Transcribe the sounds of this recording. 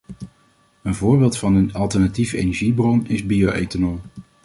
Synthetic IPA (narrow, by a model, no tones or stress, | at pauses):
ənvʊːɹbɪːlˠtfɑnənɑlˠtɛɹnatifḛjnɛɹʒibrɔnɪzbioḛjtənom